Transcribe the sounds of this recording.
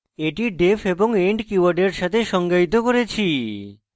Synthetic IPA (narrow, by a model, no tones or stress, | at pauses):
eʈiɖepʰeboŋeɳɖkiwaɾɖeɾʃat̪ʰeʃɔŋɡait̪okoɾet͡ɕʰi